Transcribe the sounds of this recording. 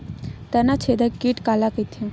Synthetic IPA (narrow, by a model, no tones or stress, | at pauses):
t̪ənat͡ʃʰed̪əkiʈkalakəjt̪ʰũ